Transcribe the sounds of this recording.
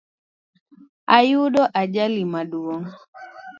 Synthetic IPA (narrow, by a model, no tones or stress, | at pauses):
ajuɗɔʔad͡ʒalimaɗuɔŋ